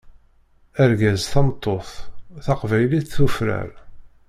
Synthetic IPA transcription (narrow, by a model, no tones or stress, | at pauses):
æɾɡæzθɑmt̪ˤːoθθɑqvæjliθθufɾæ̰ɾ